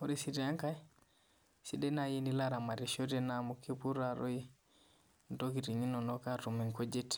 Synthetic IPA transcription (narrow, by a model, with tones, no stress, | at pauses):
o˦ɾisita˦ŋka˦j | si˦de˦naji˦nilaɾa˨ma˨ɾiʃotenamuki˦pu˦ɾaɾʔo˦i | ndoki˨ti˨ɲi˦no˨no˦katu˨mi˨ŋko˦d͡ʒe˦t